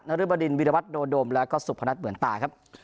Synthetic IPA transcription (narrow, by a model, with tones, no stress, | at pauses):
na˦˥ɾɯ˥˩ba˧di˧nwi˧˩ɾa˧wa˦˥t̪̚doː˧doː˧mlɛː˦˥wkɔː˥˩su˨˩pʰːa˧na˦˥t̪̚mɯ˩˦ənt̪aː˨˩kʰa˦˥p̚